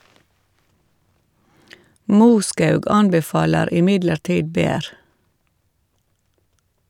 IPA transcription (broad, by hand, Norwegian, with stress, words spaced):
ˈmuːˌskɑʉɡ ˈɑnbɛˌfɑːləɾ ɪˈmɪdləɾˌtiːd ˈbeːɾ